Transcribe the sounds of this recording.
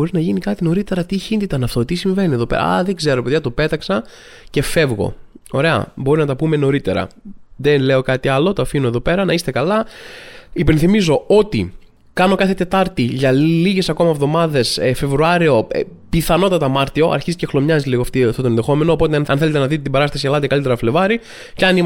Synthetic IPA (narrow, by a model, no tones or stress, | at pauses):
oɾinɐʝinikɐt̪ino̞ɾit̪e̞ɾɐt̪içind̪it̪ɐnɐft̪o̞t̪isiɱve̞nie̞ðo̞pe̞̰ɾɐ̰ɐ̰ðe̞ɡze̞ɾo̞peðʝɐt̪ope̞t̪ɐksɐ | ce̞fe̞vɣo̞̰o̞ɾe̞ɐ̰bo̞ɾinɐt̪ɐpume̞no̞ɾit̪e̞̰ɾɐ̰ðenle̞o̞kɐt̪iɐlo̞t̪oɐfinoe̞ðo̞pe̞ɾɐnɐist̪e̞kɐlɐ | ipe̞nθimizo̞o̞t̪i | kɐno̞kɐθe̞t̪e̞t̪ɐɾt̪iʝɐliʝe̞sɐko̞mɐevðo̞mɐðe̞sfe̞vɾuɐɾio̞̰piθɐno̞t̪ɐt̪ɐmɐɾt̪io̞ʔɐ̰ɾçizice̞xlomɲɐziliɣoɐft̪ift̪ot̪oenðe̞xo̞me̞noːpo̞t̪eɐnθelt̪enɐðit̪et̪ibɐɾɐst̪ɐsiɐlɐt̪ekɐlit̪eɾɐfle̞vɐɾi | ceɐnim